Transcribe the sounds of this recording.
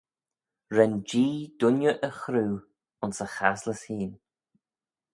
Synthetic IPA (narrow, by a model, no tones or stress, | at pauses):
ɾɛnd͡ʒiːd̪̥ʊnjəʔəxɾuː | ʊnsəxasləshiːn